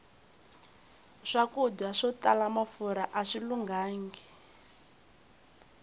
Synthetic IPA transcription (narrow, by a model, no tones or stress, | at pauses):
ʂakuɟaʂɔtalamafuɾaʔaʂiluŋɡaːŋɡi